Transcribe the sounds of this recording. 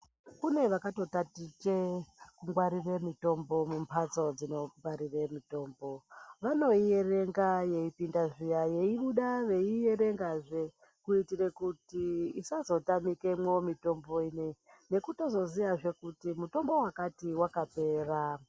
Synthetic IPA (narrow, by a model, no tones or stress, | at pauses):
kune̞ʋakato̞tatit͡ʃekuŋɡwaɾire̞mito̞mbo̞mumpʰat͡so̞d͡zino̞aɾire̞mito̞ːmbo̞ʋano̞ijere̞ŋɡaje̞ipindaʐijaje̞iɓuɗaʋe̞ije̞ɾe̞ŋɡaʐe | kuitire̞kutiisazo̞tamike̞mwomito̞mbo̞iːne | ne̞kuto̞zo̞zijaʐe̞kutimuto̞mbo̞wakatiwakape̞ːra